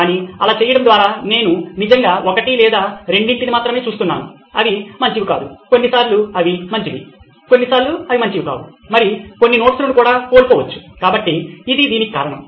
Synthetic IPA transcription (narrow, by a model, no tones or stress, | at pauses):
kaːniɐlaːt͡ʃeːjɐɽɐmnd̪ʋaːɾaːne̞ːnunid͡ʒɐŋɡaːʔokɐʈilɛːd̪aːɾe̞ɳɖiɳʈinimaːt̪ɾɐme̞ːt͡ʃuːst̪unːa̰ːnṵ | ɐ̰ʋimɐɲt͡ʃiʋika̰ːd̪ṵko̞nːisaːɾluɐʋimɐɲt͡ʃiʋḭ | ko̞nːisaːɾluɐʋimɐɲt͡ʃiʋika̰ːu | mɐɾiko̞nːinoːʈslunukuːɽaːko̞ːlkɔːʋɐt͡ʃːu̥kaːbɐʈːiːd̪id̪iːnikika̰ːɾɐɳɐ̰m